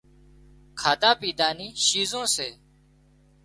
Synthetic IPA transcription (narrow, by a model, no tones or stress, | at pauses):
kʰaːt̪aːpiːd̪aːniːʃiːzõːseː